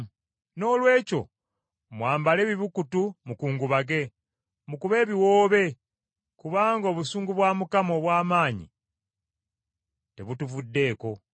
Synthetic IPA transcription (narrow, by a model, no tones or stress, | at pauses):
no̞ːlwe̞ːco̞̰ | mwaːmbale̞ːβiβukutumukuːŋɡuβaɡe̞ | mukuβe̞ːβiwo̞ːβe̞ | kuβaːŋɡoːβusuːŋɡuβwaːmukamo̞ːβwaːmaːɲḭ | te̞βutuvudːe̞ːko̞